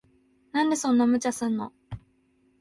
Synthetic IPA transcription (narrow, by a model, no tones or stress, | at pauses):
nãnd̪e̞sõ̞nːamɯ̟t͡ɕasɨ̃nːo̞̰